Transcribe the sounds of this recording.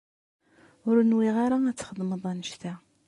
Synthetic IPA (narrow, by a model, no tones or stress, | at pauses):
ʊɾnwiʁaɾaæt͡sːχəðˤməðˤænəʃt̪æ